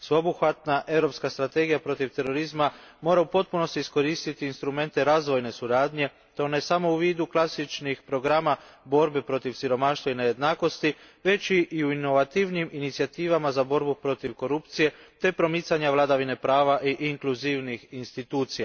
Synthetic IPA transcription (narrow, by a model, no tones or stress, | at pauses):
sʋeobuxʋat̪naʔe̞ʋɾo̞pskast̪ɾat̪e̞ɡijapɾo̞t̪iʋt̪e̞ɾo̞ɾizmamo̞ːɾaupo̞t̪̚puno̞st̪iisko̞ɾiːst̪it̪iːnst̪ɾume̞nt̪e̞ɾaːzʋo̞jne̞suɾaːd̪ɲe̞ | t̪o̞ne̞samo̞uʋiːd̪uklˠasit͡ʃnixpɾo̞ɡɾaːmabo̞ɾbepɾo̞t̪iʋsiɾo̞maːʃt̪ʋaineje̞d̪naːko̞st̪i | ʋe̞t͡ʃiʔiuino̞ʋat̪iʋniminit̪sijat̪iːʋamazabo̞ɾbupɾo̞t̪iʋko̞ɾupt̪sije̞t̪e̞pɾo̞mit̪saɲaʋlˠad̪aʋine̞pɾaːʋaʔiʔiŋkluziʋnixinst̪it̪uːt̪sija